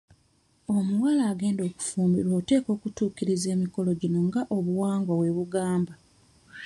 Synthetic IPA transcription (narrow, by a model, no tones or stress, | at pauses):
o̞muwalaːɡe̞ːndo̞ːku̥fuːmbiɾwoːte̞ːko̞ːkutuːkiɾize̞ːmiko̞lo̞ɟino̞ŋɡaʔoβuwaːŋɡawe̞βuɡaːmba